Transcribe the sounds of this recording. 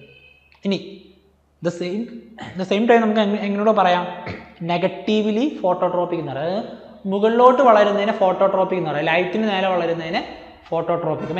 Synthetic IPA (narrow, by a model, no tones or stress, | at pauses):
ini | d̪ɐsejmd̪ɐsejmʈɐjmnɐmukːeŋːɐnejoːɽɨpɐrɐjaːmneɣɐʈːiʋilifo̞ːʈːo̞ːʈro̞ːpːikʲːunuʋɐrɨ | muɣɐɭːo̞ːʈːɨʋɐɭɐɾunːɐðinɨfo̞ːʈːo̞ːʈroːpikʲːunːuarɨlɐjt̪ːindeneːlɐʋɐɭɐɾunːɐðinɨ | fo̞ːʈːoːʈroːpikːɨm